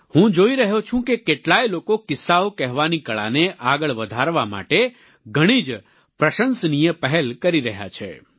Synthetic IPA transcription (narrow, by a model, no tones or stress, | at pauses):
hũd͡ʒoiɾəɦjot͡ʃʰũkekeʈlajlokokɪsaokɛɦʋanikəɭa̰neʔaɡəɭʋəd̪ʱaɾʋama̰ʈe | ɡʱəɽ̃id͡ʒ | pɾəʃənsnijəpəɦɛlkəɾiɾəɦja̰t͡ʃʰḛ